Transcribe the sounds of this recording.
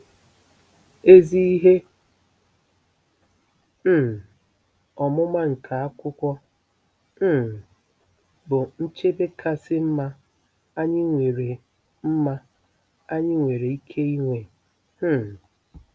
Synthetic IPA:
e˦zi˦i˦ɦe˦˨ | ɔ˨mʊ˦ma˦ŋ̩˨kʰa˨a˦kʷʊ˦kʷɔ˦˨ | bʊ˨n̩˦t͡ʃe˦be˦kʰa˦sɪ˦m̩˦ma˦ | a˦ɲɪ˦ŋʷe˨ɾe˨ | m̩˦ma˦ | a˦ɲɪ˦ŋʷe˨ɾe˨i˦kʰe˦i˦ŋʷe˨˦˨

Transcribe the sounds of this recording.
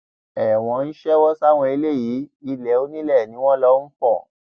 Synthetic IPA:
ɛ˨w̃ɔ̃˨˧˦n̩˦ʃɛ˦wɔ˦sa˦˨w̃ɔ̃˧i˧le˦˨ji˨˦i˧lɛ˨˦o˦nĩ˦lɛ˦˨nĩ˨˦w̃ɔ̃˦lɔ˦n̩˦fɔ˦˨

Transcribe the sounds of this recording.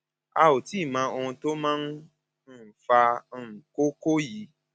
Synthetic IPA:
a̰˧o˨ti˨˦˨mã˧˦o˧hũ˧to˦mãː˦n̩˦˨ | fa˧˦˨ko˦ko˦ji˨˦

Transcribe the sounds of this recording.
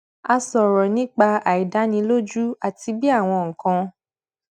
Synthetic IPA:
a˧sɔ˨ɾɔ˨nĩ˨˦k͡pa˧a˨i˨da˨˦nĩ˧lo˦d͡ʒu˦a˨ti˧bi˦a˦˨w̃ɔ̃˧ŋ̩˨kã˧

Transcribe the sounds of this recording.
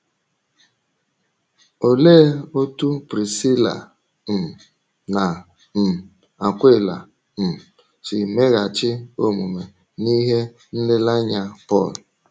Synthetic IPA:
o˨leː˦o˦tu˦pɾi˨si˦la̰˨ | m̩˨ | na˨ | m̩˨ | a˨kʷe˦˨la̰˨ | m̩˨ | t͡ʃɪ˨me˦ɣa˨t͡ʃɪ˦o˦mu˨me˨ | ni˦ɦe˦ | n̩˦dɪ˦la˦ɲa˦pɔ̰˦˨l

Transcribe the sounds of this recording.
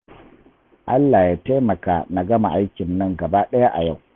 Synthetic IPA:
ʔa˦lːa˨jaː˦te˦mɐ˨ka̰ː˨na˨ɡɐ˦ma˨ʔa˦jkʲɪ˨nːɐ˦ŋɡɐ˨baː˦ɗɐ˦ja˦ʔa˨ja˦˨w

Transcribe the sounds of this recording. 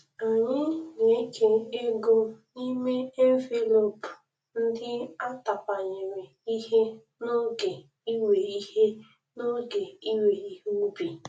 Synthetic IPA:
a˨ɲɪ˦ne˦ke˦e˦ɡo˦ni˦me˦e˦ɱ˦ve˨lo˨pʊ˨ | n̩˦dɪ˦a˦ta˨pa˨ɲɪ˨me˨i˦ɦe˦ | no˦ɡe˨ | i˦we˨i˦ɦe˦ | no˦ɡe˨i˦we˨i˦ɦu˦u˦bi˨

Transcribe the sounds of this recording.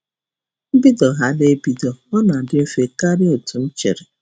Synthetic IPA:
m̩˦bi˦dɔ˨ɦa˨le˦bi˨dɔ˨ɔ˦na˨dɪ˦m̩˦fe˨ka˦ɾɪ˦o˨tʊ˨n̩˦t͡ʃe˨ɾe˨

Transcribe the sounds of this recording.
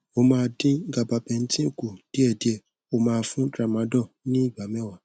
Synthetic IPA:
o˧mãː˧˦dĩ˦ɡa˨ba˨˧bɛ̃˧n̩˦tĩ˦o˦˨ku˨d̥i˨˦ɛ˦˨di˦ɛ˦˨ | o˦˧mãː˧˦fũ˦dɾa˨mã˨˦dɔ˦˨nĩ˦i˦˨ɡ͡ba˨˦mɛ̃˦wa˨˦

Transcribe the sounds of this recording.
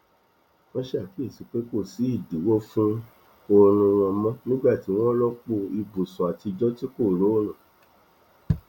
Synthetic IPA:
wɔ̃˦ʃe˦a˨fi˨˦e˦˨si˨˦k͡pe˦ko˦˨si˨˦i˦˨di˨˦wo˦fũ˦ | o˧ɾũ˧ɾ̃ɔ̃˧mɔ̃˦nĩ˦ɡ͡ba˦˨ti˨˦w̃ɔ̃˦lɔ˦k͡po˧i˧bu˨sɔ̃˨a˨ti˧d͡ʒɔ˦ti˦ko˦˨ɾo˨˦o˦˨nã˨

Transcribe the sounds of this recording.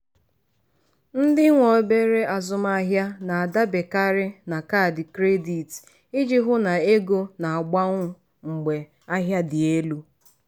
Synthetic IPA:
n̩˦dɪ˦ŋʷɔ˨˦be˦ɾe˦a˨zʊ˦ma˦a˦ɦja˦na˨a˨da˦be˨ka˦ɾɪ˦na˨ka˦˨dɪ˨kɾe˦di˨t | ɪ˦d͡ʒɪ˦ɦʊ˦na˨e˦ɡo˦na˨a˨ɡ͡ba˦ŋʷʊ˦ | ŋ͡m̩˨ɡ͡be˨ | a˦ɦja˦dɪ˨e˦lu˦

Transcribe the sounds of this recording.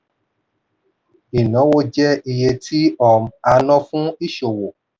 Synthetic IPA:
i˨nã˨˦wo˧d͡ʒɛ˦i˧je˧tʰi˦ɔ˦˨m˨a˧nɔ̃˦fũ˦i˦˨ʃo˨wo˨

